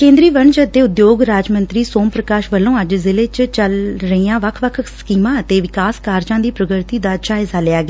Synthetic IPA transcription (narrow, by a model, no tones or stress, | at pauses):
kẽːnd̪ɾiːʋəɳd͡ʒəd̪eːʊd̪joːɡɾaːd͡ʒmə̃nt̪ɾiːsoːmpɾəkaːʃʋəlːõːəd͡ʒzɪleːt͡ʃt͡ʃəlɾəiːãːʋəkʰʋəkʰskiːmãːət̪eːʋɪkaːskaːɾd͡ʒãːd̪iːpɾəɡəɾt̪iːd̪aːd͡ʒaːɪzaːlɪaːɡeː